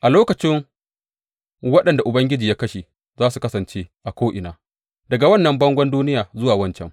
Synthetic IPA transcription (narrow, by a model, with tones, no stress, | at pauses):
ʔa˨loː˦kɐ˨t͡ʃɪ˦ŋ | wɐ˦ɗɐ˨nda˨ʔʊ˨bɐ˦ŋɡʲɪ˦d͡ʒiː˨jaː˦kɐ˦ʃi˨ | zaː˦su˨kɐ˦sɐ˨nt͡ʃe˦ʔa˨kʷoː˦ʔɪ˨naː˨ | dɐ˨ɡa˨wɐ˦nːɐ˨mbɐ˦ŋɡʷɐ˦nduː˦nɪ˦jaː˨zʊ˦waː˨wɐ˦nt͡ʃɛ̰˦˨m